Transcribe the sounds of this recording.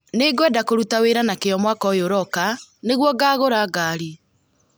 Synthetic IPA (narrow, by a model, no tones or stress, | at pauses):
neɡwɛdakoɾutaweɾanakejɔmwakɔjoɾɔkaneɣwɔɡaːɣoɾaɡaːɾi